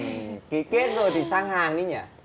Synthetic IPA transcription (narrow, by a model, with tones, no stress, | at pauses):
ki˨˦ke˦˥t̚zo˨˩jt̪ʰi˨˩saː˧ŋhaː˨˩ŋɗi˨˦ɲa̰ː˧˩